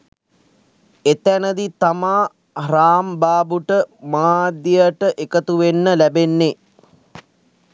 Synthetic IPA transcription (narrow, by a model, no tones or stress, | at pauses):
et̪ænəd̪it̪amaː | hraːmbaːbuʈəmaːd̪jejəʈəʔekət̪uʋenːəlæbenːe